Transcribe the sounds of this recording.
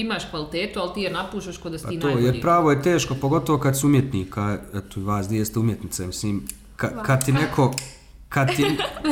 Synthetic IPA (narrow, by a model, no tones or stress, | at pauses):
imaːʃkʋalit̪eːt̪ualt̪iːjenapuːʃt̪aʃkod̪astp̪inoːjeɾpɾaːʋojet̪e̞ːʃko̞po̞ɡo̞t̪oʋokad̪sumjet̪niːkʰaɛt̪oiʋaːsd̪jest̪eumjet̪nit̪samisliːm | kakad̪̚t̪inekʰo̞ | kad̪t̪i